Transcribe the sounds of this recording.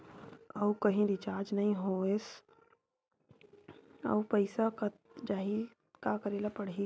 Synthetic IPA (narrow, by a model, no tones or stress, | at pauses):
ɐukɐɦĩɾit͡ʃaːɾd͡ʒnɐɦĩɦoes | ɐ̰upəɪsaka | d͡ʒaːɦi | kakəɾeːlapəɽ̤i